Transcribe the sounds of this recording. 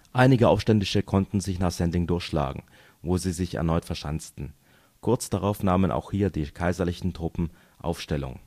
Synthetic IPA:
ʔaɪnɪɡəʔaʊfʃtɛndɪʃəkʰɔntn̩zɪçnaːχz̥ɛndlɪŋdʊɐçʃla̰ːɡŋ̩ | voːziːzɪçɛ̰ɐnɔʏtfɛɐʃant͡stn̩ | kʰʊɐt͡sd̥aʁaʊfnaːmənʔa̰ʊxhiːɐdiːkʰaɪzɐlɪçn̩tʁ̥ʊpm̩ | ʔa̰ʊfʃtɛlʊ̰ŋ

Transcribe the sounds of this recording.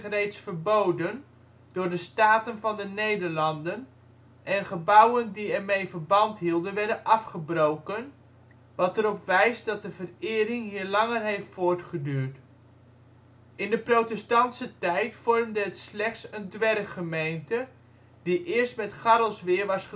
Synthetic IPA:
rejtsfəɹbowdən | d̥ʊːɹdəstaːtənvɑndənejdəɹlɑndən | ʔɛnχəbʌwəndiɛɹmejvəɹbɑntɦilˠdənʋɛrdənʔɑfχəbrowkən | ʋɑtəɾɔpʋɛjsdɑt̚dəvərɪːɾɪŋɦiːɹlɑŋərɦejftfʊːɹtχədyːɹt | ɪndəprotɛstɑntsətɛjtfɔrmdəətslɛχtsəndʋɛrχəmejntə | diʔɪəɹstmɛtχaɾəlˠsʋɪːɹʋɑs

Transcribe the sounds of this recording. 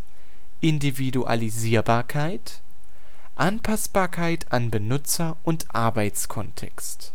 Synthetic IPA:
ʔɪndividuʔa̰liziːɐbaːɐkʰaɪt | ʔanpʰasb̥aːɐkʰaɪtʰanbənʏt͡sɐʔʊntʔaɐbaɪt͡skʰɔntʰɛ̰kst

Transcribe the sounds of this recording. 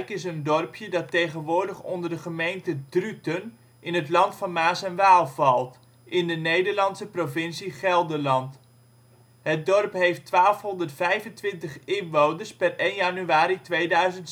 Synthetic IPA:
kɪs̬əndɔrpjədɑtːejχənʋʊːɹdəχɔndəɹdəχəmejntədrytən | ʔɪnɦətlɑntfɑnmaːsɛnʋaːlˠvɑlˠt | ʔɪndənejdəɹlɑnsəprovɪnsiχɛlˠdəlɑnt | ɦət̚dɔrpɦejftʋaːlˠfɦɔndərtfɛjvəntʋɪntəχɪnʋownəɹspɛrejnjanyaːɾitʋejdœɥzənt

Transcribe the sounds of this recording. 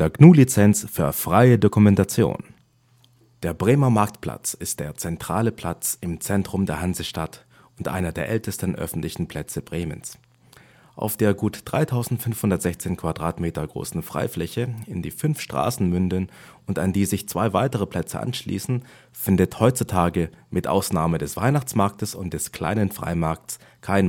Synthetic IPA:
d̥eːɐɡnuːlit͡sɛnt͡sfyːɐfʁ̥aɪədokumɛntat͡sjo̰ːn | d̥eːɐbʁeːmɐmaɐk̚tpʰl̥a̰t͡sɪst̚d̥eːɐt͡sɛntʁ̥aːləpʰl̥at͡sɪmt͡sɛntʁ̥ʊmdeːɐhanzəʃtat | ʊntʔa̰ɪnɐdeːɐʔɛltəstən̩ʔœ̰fn̩tlɪçn̩pʰl̥ɛt͡səbʁeːmə̰ns | ʔa̰ʊfd̥eːɐɡuːtd̥ʁaɪtʰaʊzn̩tfʏnfhʊndɐtz̥ɛçt͡seːnkv̥adʁaːtmeːtɐɡʁo̰ːsn̩fʁ̥a̰ɪflɛçəɪndḭːfʏnfʃtʁ̥a̰ːsn̩mʏndən | ʊntandiːzɪçt͡sv̥aɪvaɪtəʁ̞əpʰl̥ɛt͡sə̰ʔa̰nʃlḭːsn̩ | fɪndəthɔʏtt͡sutʰaːɡəmɪtʔa̰ʊsnaːmədɛsv̥a̰ɪnaχt͡smaɐk̚təsʊnt̚d̥ɛskl̥a̰ɪnənfʁ̥a̰ɪmaɐk̚ts | kʰaɪn

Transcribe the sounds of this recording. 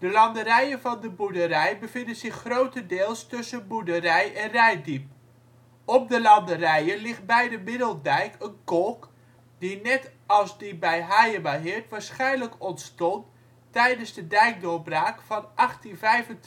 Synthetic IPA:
d̥əlɑndərɛjənvɑndəbudəɾɛjbəvɪndənzɪχːrowtədɪːlˠstɵsənbudərɛjʔɛnrɛjdip̚ | ɔp̚dəlɑndərɛjənlɪχt̚bɛjdəmɪdəlˠdɛjkʰənkɔlˠk | dinɛtɑlˠzdibɛjɦajəmaɦɪɹtʋaːɹsχɛjnləkɔntstɔntː | ɛjdənzdədɛjk̚dʊːbraːkfɑnʔɑχtinvɛjvən

